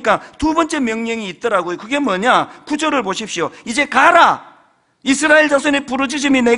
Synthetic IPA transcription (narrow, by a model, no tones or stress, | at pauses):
k͈atubʌnt͡ɕ͈e̞mjʌŋɲʌŋiːt̚t͈ʌɾaɡojokɯɡe̞mʌɲakud͡ʑʌɾɯɭpoɕʰip̚ɕ͈ioid͡ʑe̞kaɾa | isʰɯɾaeɭd͡ʑaŋsʰʌnepuɾʌd͡ʑiɕ̬ʰimine